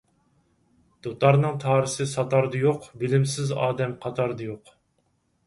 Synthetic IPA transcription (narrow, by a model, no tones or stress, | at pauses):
d̪̥ot̪ɑɾnɨŋt̪ʰɑːɾɨsɨsɑt̪ɑɾd̪ɨjoqbɪlɪmsɪzɑ̰ːd̪ɛmqʰɑt̪ʰɑɾd̪ɑjoq